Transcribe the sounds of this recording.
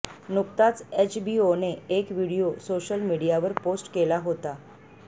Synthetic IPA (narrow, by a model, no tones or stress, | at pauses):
nukt̪at͡set͡ɕbioneekʋiɽijosoɕəlmiɽijaʋəɾposʈkelaɦot̪a